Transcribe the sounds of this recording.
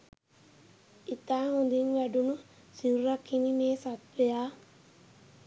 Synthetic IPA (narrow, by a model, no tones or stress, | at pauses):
it̪aːɦund̪inʋæɖunu | siɾuɾakːinimeːsat̪ʋejaː